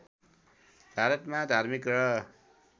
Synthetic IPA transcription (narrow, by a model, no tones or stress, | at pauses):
b̥ʱaɾʌt̪mad̪ʱarmikrʌ